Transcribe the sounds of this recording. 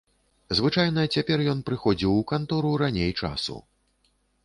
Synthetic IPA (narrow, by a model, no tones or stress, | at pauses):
zvɨt͡ʂajnɐt͡sʲapʲɛrjɔnpɾɨxɔd͡zʲiwukant̪ɔɾuɾanʲejt͡ʂa̰sṵ